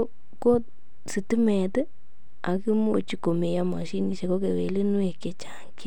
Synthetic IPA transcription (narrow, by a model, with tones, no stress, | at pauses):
ko˦ | si˨ti˦mɛ˨tɨ˦ | a˨ki˦mo̰˨t͡ʃi˨ko˨me˨ja˧ma̰˨ʃi˦ni˨ʃe˨ko˦ke˨wḛ˨le˦nu˦e˨ke˨t͡ʃa˨ŋki˦